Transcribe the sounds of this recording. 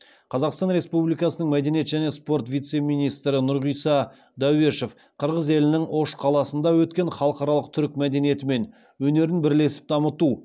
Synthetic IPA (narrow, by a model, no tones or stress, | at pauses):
qʰɑzɑqst̪ɑnɾe̞spublijkɑsənəɴmæd̪e̞nje̞t̪ʒæne̞spo̞ɾt̪vʲijt̪se̞mijnijst̪ɾɪnʊɾʁijsɑ | d̪ɑwe̞ʃe̞f | qʰəɾʁəze̞lɪnɪŋo̞ʃqʰɑlˠɑsənd̪ɑwɵt̪̚kʲe̞ɴχɑlˠəqɑɾɑlˠəq̚t̪ʰʏɾɪk̚ʲmæd̪e̞nije̞t̪ɪme̞n | wɵne̞ɾɪnbɪɾle̞sɪ̥p̚d̪ɑmət̪u